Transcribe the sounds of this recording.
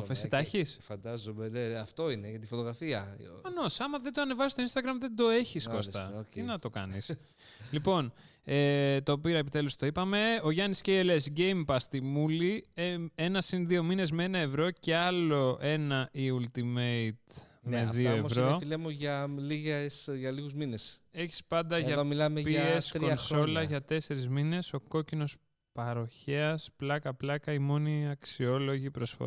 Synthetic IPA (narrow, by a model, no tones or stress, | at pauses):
ofesit̪ɐçisfɐnd̪ɐzomeneɐft̪o̞ineʝɐt̪ifot̪oɣɾɐfiɐɐnosɐmɐðed̪oɐne̞vɐsist̪oinst̪ɐɣɾɐmðend̪o̞e̞çiskost̪ɐ̰inɐt̪o̞kɐ̰nis | lipo̞net̪o̞piɾɐepit̪e̞lust̪o̞ipɐme̞o̞ʝɐnisceiele̞sɟejmpɐst̪imulieenɐsinðio̞mine̞zmeenɐevɾo̞ce̞ɐlo̞ʔe̞nɐʔiult̪imeit̪ | meðioevɾo̞filemuʝɐliɣesʝɐliɣuzminese̞çi̥spɐnd̪ɐʝɐðomilɐmepiesɾkonso̞lɐʝɐt̪e̞se̞ɾizmine̞so̞ko̞cino̞s | pɐɾo̞çeɐsplɐkɐplɐkɐimo̞niɐksio̞lo̞ʝipɾo̞sfo̰